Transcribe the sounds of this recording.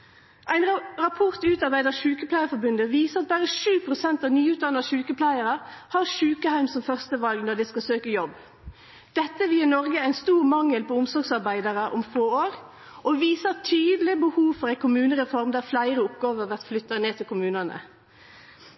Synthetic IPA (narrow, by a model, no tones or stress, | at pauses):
ʔæɪnʁɑpʰɔʁt̪ʉːt̪ɑʁbæɪd̪əʃʉːkəpʰlæɪəfɔɾbʉnd̪əʋiːsəɑt̪̚bɑʁəʃʉːpʰʁʊsɛnt̪ɑʋnyːʉːt̪̚d̪ɑnɑʃʉːkəpʰlæɪəɾəhɑʁʃʉːkəhæʉmsɔmfœʁst̪əʋɑlɡnɔd̪ɛskɑlsøːkəjɔb | d̪̥ɛt̪ːəʋɪnɔʁɡəæɪnst̪uːʁmɑŋːəlpɔʊmsɔʁɡsɑʁbæɪd̪ɑʁəʔɔ̰mfoːoːɾ | ʔɔʋiːsət̪ʰyːd̪əlɪbəhuːʋfɔʁæɪkʰʊmʉːnəʁɛfɔʁmd̪æːʁflæɪɾəʊpɡɑːʋəʋæʁt̪flʏt̪ːɑneːt̪ʰɪlkʰʊmʉːnɑnə̰